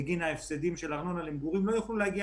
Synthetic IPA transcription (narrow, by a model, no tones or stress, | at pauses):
ɡinaefsed̪imʃelaʁno̞nalimɡuʁimlo̞jaχlulehaɡi